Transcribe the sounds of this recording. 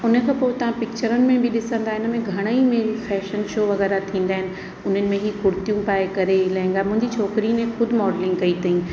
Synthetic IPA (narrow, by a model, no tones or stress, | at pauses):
ʊnə̆kʰãːpoːɪt̪ɐʋ̤ãpɪk̚t͡ɕəɾənɪ̆mẽbɪɗɪsə̃nd̪aːɦɪnə̆mẽɡʱɐɽ̃əimeːɾifɛːʃənʃoːʋɐɣɛːɾat̪ʰĩːnd̪aːɪnɪ̆ | ʊn̤ənɪ̆mẽɦiːkʊɾt̪ijũpaːekɐɾelɐ̃ɦɪ̃ŋɡaːmʊ̃ɦɪ̃ɲd͡ʑit͡ɕʰɔːkɾinẽxʊd̪ʱɪmɔːɖlɪ̃ŋɡkɐit̪ʰɐĩ